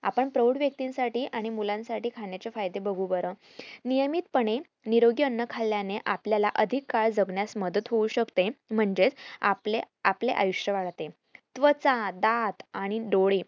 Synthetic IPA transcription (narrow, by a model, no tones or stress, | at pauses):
a̰pəɳpɾoɽʋjək̚t̪insaʈiːʔaɽ̃imulãnsaʈiːkʰaɳjat͡ɕefajd̪ebəɡʱubəɾə | nijəmiːt̪pəɳe | niɾoɡjənːəkʰalːjaneʔapljalaʔəd̪ʱikːaɭd͡zəɡɳjasməd̪ət̪ɦouɕəkt̪em̤əɳd͡ʑet͡sa̰le | apleʔa̰juɕjəʋaɭt̪e | t̪ʋət͡sãd̪at̪aɽ̃iɖoɽi